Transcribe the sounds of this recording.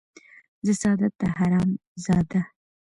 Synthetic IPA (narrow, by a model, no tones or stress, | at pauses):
zəsɑd̪at̪ːaɦaɾɑmzɑd̪a